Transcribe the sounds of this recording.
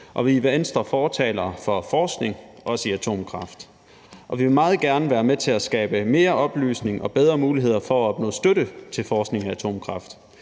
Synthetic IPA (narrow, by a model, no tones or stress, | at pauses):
ʔɒ̽ʋiʋeensd̥ʁɐfɒːt͡sʰɛ̰ːlɐfɒ̽fɒːsɡ̥ne̝ŋʔɒ̽siæt͡sʰo̝̰ːmkʰʁɑ̈fd̥ | ʔɒ̽ʋiʋe̝mɑ̈ːð̩ˠɡ̥æɐnəʋæːɐmet͡sʰe̝læsɡ̥ɛ̰ːb̥əme̝ːɐʔɒ̽b̥ly̰ːsne̝ŋʔɒ̽b̥eð̞ˠʁɐmuːliɦe̝ð̞̰ˠɐfɒ̽æɒ̽b̥nɔ̰ːsd̥øɾət͡sʰe̝lfɒːsɡ̥ne̝ŋææt͡sʰo̝̰ːmkʰʁɑ̈fd̥